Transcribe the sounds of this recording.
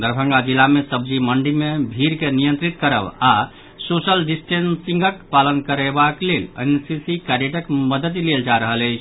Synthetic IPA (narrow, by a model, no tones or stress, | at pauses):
d̪əɾbʱə̃ŋɡad͡ʒilːamesəbd͡ʒiməɳɖimebʱiɾkenijə̃nt̪ɾit̪̚kəɾə̰ba | sosəlɖisʈensĩŋɡəkpalənkəɾebaklelə̰nsisikaɾeʈəkməd̪ət̪leld͡ʒaɾəɦələɪt͡ʃʰ